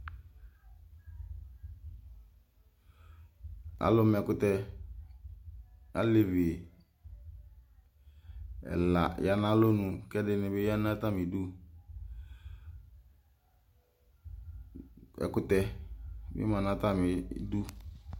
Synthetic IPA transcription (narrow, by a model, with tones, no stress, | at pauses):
a̰˨lʊ˨˦m˨ɛ˨kʊ˨tɛ˦ | a̰˦le˨ve˨ | ɛ̰˨la˨ja˨nã˦lo˦nũ˨kɛ˦dɪ˨nɪ̃˨bɪ˦ja˦n˦a˦ta˦mɪ˨du˦ | ɛ̰˨kʊ˨tɛ˦mɪ̰˦mã˨na˦t̪a˦mɪ˨˦du˦